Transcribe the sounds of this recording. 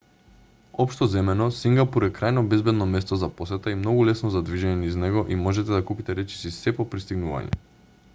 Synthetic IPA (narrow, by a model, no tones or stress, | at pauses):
ɔpʃt̪ɔzɛmɛnɔsiŋɡapuɾɛkɾajnɔbɛzbɛd̪nɔmɛst̪ɔzaposɛt̪aimnɔɡulɛsnɔzad̪viʒɛɲɛniznɛɡɔʔimɔʒɛt̪ɛd̪akupit̪ɛɾɛt͡ʃi̥sisɛpɔpɾist̪iɡnuva̰ɲɛ̰